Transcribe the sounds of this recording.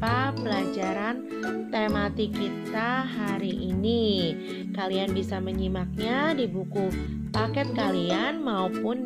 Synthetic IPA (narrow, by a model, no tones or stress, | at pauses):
apəlad͡ʒaɾan | t̪emat̪ikit̪aɦaɾiʔini | kalianbisaməɲimak̚ɲadibuku | pakɛt̪̚kalianmaupʊn